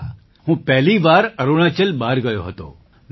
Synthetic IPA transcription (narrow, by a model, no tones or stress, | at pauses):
ɦũpɛɦliʋaːɾəɾuɽ̃at͡ʃəlbaːɾɡəjoɦət̪o̰ | n